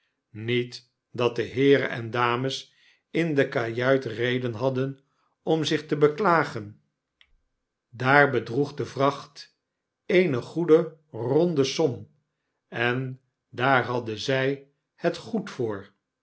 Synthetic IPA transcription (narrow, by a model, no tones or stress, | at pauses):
nit | dɑt̚dəɦɪːɾə̰nɛ̰ndaːməs | ɪndəkajœɥtrejdənɦɑdən | ɔmzɪχtəbəklaːχən | daːɹbədʁuχdəvrɑχt | ejnəχudərɔndəsɔm | ɛn | daːɹɦɑdəzɛj | hətχutfʊːɹ